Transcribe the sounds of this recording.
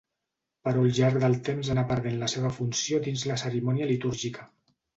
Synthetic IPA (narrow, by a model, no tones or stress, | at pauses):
pəɾulʒaɾk̚d̪əlˠt̪emzanapəɾð̞enləseβ̞əfunsiod̪inzləsəɾimɔniəlit̪uɾʒikə